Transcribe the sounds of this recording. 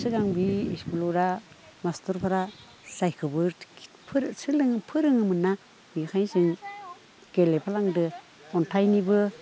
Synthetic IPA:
sɯɡaŋbiːskulɔɾa | mastɔɾpʰaɾa | sajkʰɯbɯɾ | pʰɾsɯlɯŋpʰɯɾɯŋɯmɯnːa | mikʰajnsɯŋ | ɡ̥elepʰalaŋdɯ | ɔntʰajnibɯ

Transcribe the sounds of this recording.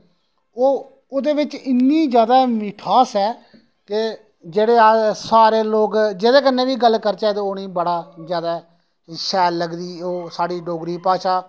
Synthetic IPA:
oː | ʊd̪eːʋɪt͡ʃɪnːiːd͡ʒjaːd̪aːmɪʈʰaːsɛː | ke | d͡ʒeːɽeːaːsaːɾeːloːkd͡ʒeːd̪eːkənːeːʋiːɡəlːkəɾt͡ʃaːt̪eoːɽ̃iːbəɽaːzjaːd̪aː | ʃɛːlːəɡd̪iːoːsaːɽiːɖoːɡɾiːpaːʃaː

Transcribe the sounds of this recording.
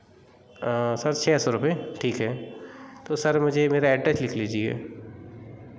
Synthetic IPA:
sɐɾt͡ʃʰɛːsɔɾʊpeʈʰiːkɦɛ | t̪osɐɾmʊd͡ʒʱemeːɾaɛːʈɾɛslɪkʰliːd͡ʒieɛ̰ː

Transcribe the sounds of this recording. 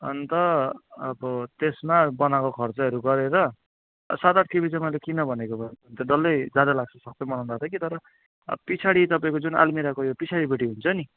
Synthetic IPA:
ʌ̰nt̪ʌʌbʌt̪esmabʌnakokʰʌrt͡sʌɦʌɾuɡʌɾeɾʌ̰ | sat̪aʈʰkibit͡sʌmʌjlekinʌbʱʌnekobʱʌnnt̪ʌɖʌlːʌjd͡zad̪alaɡ̚t͡sʰʌsʌkt̪ʌmʌnãnd̪at̪ʰʌkit̪ʌɾʌ | pit͡sʰaɽit̪ʌpaĩkod͡zuna̰lmiɾakojopit͡sʰaɽibeʈiɦunt͡sʰʌni

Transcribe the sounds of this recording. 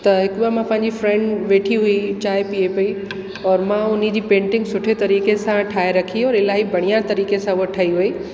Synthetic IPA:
t̪ɐɦɪkʊbiamãpɐ̃ɦɪ̃ɲd͡ʑifɾɛ̃ɳɖʋeːʈʰiɦʊit͡ɕaːɪpiepɐi | ɔːɾmãʊnid͡ʑiːpẽːɳʈɪ̃ŋɡsʊʈʰet̪ɐɾiːkesãʈʰaːeɾɐkʰiɔːɾɪlaːɦibʱɐɽ̃ijat̪ɐɾiːkesãʊɦəʈʰɐiɦʊi

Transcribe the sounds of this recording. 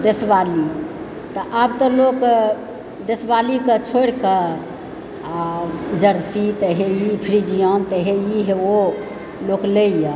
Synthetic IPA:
d̪esbali | t̪ɔʔabt̪ɔ̃lok | d̪esbalikət͡ʃʰoɽkə | d͡ʒəɾsit̪əɦeipʰɾid͡ʒijənt̪əɦeiɦeo | lokleje

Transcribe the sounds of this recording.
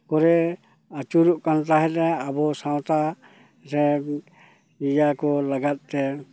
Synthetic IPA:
kɔɾɛ | at͡ʃuɾuʔkant̪aɦɛt̪ɾɛabɔsaw̃t̪a | ɾɛ | ijakɔlaɡat̪̚t̪ɛ

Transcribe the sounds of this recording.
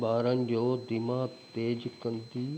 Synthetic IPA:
baːɾənɪ̆d͡ʑoːd̪ɪmaːt̪eːd͡ʑkɐ̃nd̪iː

